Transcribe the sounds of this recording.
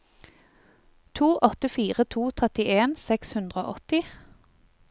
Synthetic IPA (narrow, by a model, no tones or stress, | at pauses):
t̪ʰuːʔɔt̪əfiːʁət̪ʰuːt̪ʰʁɛt̪ɪʔeːnsɛkshʉnd̪ʁəo̰ːʔɔt̪ɪ